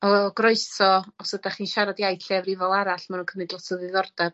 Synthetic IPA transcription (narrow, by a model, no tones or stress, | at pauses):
ɔɡrɔɨsɔɔsədaχiːnʃaɾadjajtʰɬɛvrivɔlˠaɾaɬmanunkʰəmɨdlˠɔtʰɔðɪðɔrdɛb̥